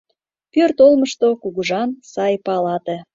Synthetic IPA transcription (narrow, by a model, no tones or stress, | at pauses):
pørt̪olməʃt̪okuɣuʒɑnsɑjpɑlɑt̪ĕ